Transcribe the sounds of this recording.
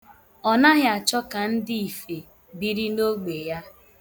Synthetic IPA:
ɔ˨na˦ɦja˨t͡ʃɔ˦ka˨n̩˦di˦i˨fe˨ | bi˦ɾi˦no˦ɡ͡be˨ja˦

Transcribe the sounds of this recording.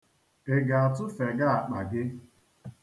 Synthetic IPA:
e˨ɡa˨a˨tʊ˦fe˨ɡa˦a˨k͡pa˨ɡɪ˦

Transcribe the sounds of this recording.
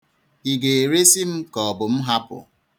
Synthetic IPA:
i˨ɡe˨e˨ɾe˦si˦m̩˦kɔ˨bʊ˨m̩˦ɦa˦pʊ̰˨

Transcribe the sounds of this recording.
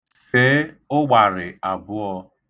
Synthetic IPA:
se˦ | ʊ˦ɡ͡ba˨ɾɪ˨a˨bʊ˦ɔ˧

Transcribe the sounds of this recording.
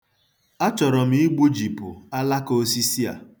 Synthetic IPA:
a˦t͡ʃɔ˨ɾɔ˨m̩˨˦i˦ɡ͡bu˦d͡ʒi˨pʊ̰˨a˦la˦ko˦si˦si˦a̰˨

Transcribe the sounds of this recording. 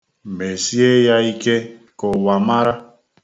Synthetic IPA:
m˨be˨si˦e˦ja˦i˦ke˦ | kɔ˨wa˨ma˦ɾa˦

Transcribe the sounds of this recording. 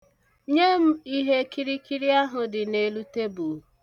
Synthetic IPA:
ɲe˦m̩˦i˦ɦe˦ki˦ɾi˦ki˦ɾi˦a˦ɦʊ˨dɪ˨ne˨lu˦te˦bu˨˦

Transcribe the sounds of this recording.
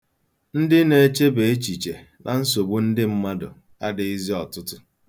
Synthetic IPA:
n̩˦dɪ˦ne˨˦t͡ʃe˦be˨e˦t͡ʃi˨t͡ʃe˨ | nʔa˨n̩˦so˨bu˦n̩˦dɪ˦m̩˦ma˦dʊ̰˨ | a̰˦dɪ˨i˦zi˦ɔ˨tʊ˦tʊ˦

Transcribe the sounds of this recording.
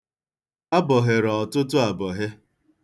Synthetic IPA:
a˦bɔ˨ɦɪ˨ɾɔ˨tʊ˦tʊ˦a˨bɔ˨ɦɪ˦

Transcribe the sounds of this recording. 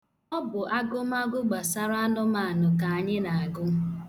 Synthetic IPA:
ɔ˦bʊ˨ʔa˦ɡʊ˦m˦a˦ɡʊ˦ɡ͡ba˨sa˦ɾa˦a˦nʊ˦ma˨a˨nʊ˨ka˨a˨ɲɪ˦na˨a˨ɡʊ˦

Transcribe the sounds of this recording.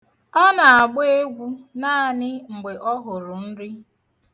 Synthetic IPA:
ɔ˦na˨a˨ɡ͡be˦e˦ɡʷu˦na˦a˨nɪ˦ŋ͡m̩˨ɡ͡be˨ʔɔ˦ɦʊ˨ɾʊ˨n̩˦ɾɪ˦

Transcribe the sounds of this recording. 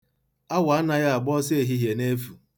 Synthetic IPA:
a˦wa˨˦na˦ja˦a˨ɡ͡bɔ˦se˦e˨ɦi˦ɦje˨ne˦fu˨

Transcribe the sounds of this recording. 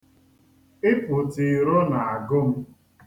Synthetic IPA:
ɪ˦pʊ˨ti˨ɾo˦na˨a˨ɡʊ˦m̩˦

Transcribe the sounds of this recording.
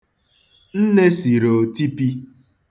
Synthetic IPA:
n̩˦ne˦si˨ɾo˨ti˦pi˦

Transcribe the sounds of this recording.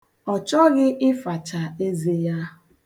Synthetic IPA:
ɔ˨t͡ʃɔ˦ɣɪ˦ʔɪ˦fa˨t͡ʃa˨e˦ze˦ja˦

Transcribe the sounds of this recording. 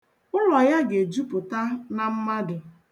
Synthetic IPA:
ʊ˦lɔ˨ja˦ɡe˨d͡ʒu˦pʊ˨ta˦na˦m̩˦ma˦dʊ˨

